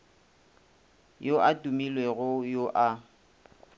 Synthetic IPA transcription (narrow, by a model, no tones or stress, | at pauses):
joʔatʼumilweɣʊjoʔa